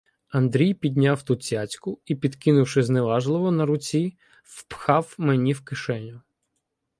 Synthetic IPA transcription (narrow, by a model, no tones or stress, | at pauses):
ɐnd̪ɾʲijpʲid̪̚ʲnʲawt̪ʊt͡sʲat͡sʲkʊipʲid̪kɪnʊwʃɪzneʋɑʒlˠɪʋɔnɐɾʊt͡sʲi | fpxɑwmenʲiwkɪʃɛnʲʊ